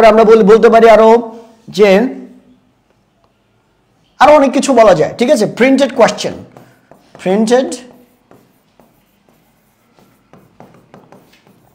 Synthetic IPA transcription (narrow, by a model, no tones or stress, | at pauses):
ɾeamɾabolibolt̪̬epaɾiaɾo | d͡ʑe | aɾoɔnekːit͡ɕʰubɔlad͡ʑaeʈʰikat͡ɕʰepɾiɳʈeɖkwest͡ɕo̰n | pɾiɳʈeɖ